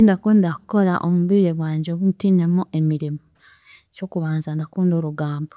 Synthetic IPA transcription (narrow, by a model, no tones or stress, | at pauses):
ndakuːndakuko̞ɾa̰ʔomuβiɾeɡwaːɲɟoβunutiːnemuʔe̞miɾimo | co̞ːkuβaːnzandakuːndo̞ɾuɡaːmbo̥